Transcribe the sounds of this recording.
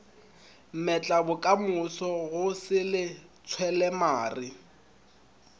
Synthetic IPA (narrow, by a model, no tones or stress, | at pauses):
m̩mɛt͡ɬʼabʊkʼamʊsɔɣʊsɪlɪt͡sʰwɛlɛmaːrɪ